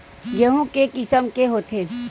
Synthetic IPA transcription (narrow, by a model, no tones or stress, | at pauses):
jɐɦũkekɪsəmkeɦoːt̪ʰeː